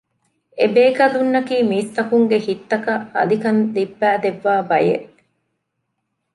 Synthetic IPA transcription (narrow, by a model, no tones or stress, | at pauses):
ebeːkɐlunːɐkiːmiːst̪ɐkuŋɡehit̪ːɐkɐɐ̰likɐnd̪ibːæːd̪eʋːaːbɐje